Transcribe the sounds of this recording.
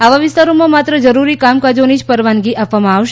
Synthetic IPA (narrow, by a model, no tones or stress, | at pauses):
aʋaʋɪst̪aɾomãmat̪ɾəd͡ʒəɾuɾikamkad͡ʒonid͡ʒpəɾʋanɡiʔapʋamãaʋʃ